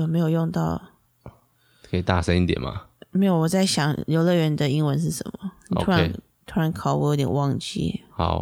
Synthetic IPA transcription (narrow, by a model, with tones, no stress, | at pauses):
jo˨˩ʊme˧˥ɪjo˨˩ʊjʊ˥˧ŋt̪ɑ˥˧ʊ | kʰɤ˧˥i˨˩t̪a̰˥˩sə˥˦ni˥ŋt̪jɛ̰˨˩nma̰˨me˧˥jo˧˩wɔ˨˩t͡sa˥˩ɪɕjɑ˨˩ŋljo˧ʊlə˥˩ɥɛ˧˥nd̪ə˨i˥ŋwə˧˦nʂ̬ɻ̩˥˩ʂə̰˧˦nmə˨˩ni˨˩o̰u˥e˧˦ | t̪ʰu˥ɻɑ˧˥nkʰɑ˨˩˦wjʊt̪jɛ˨˩nwɑ˥˧ŋt͡ɕḭ˥˩xɑ̰˨˩˦ʊ